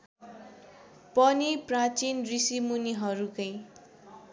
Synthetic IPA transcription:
pʌniprat͡sinrisimuniɦʌɾukʌj

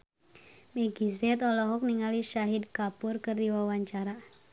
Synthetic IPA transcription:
meɡizɛt̪ɔlɔɦɔk̚niŋaliʃaɦid̪̚kapʊrkərdiwawaɲt͡ʃaɾa

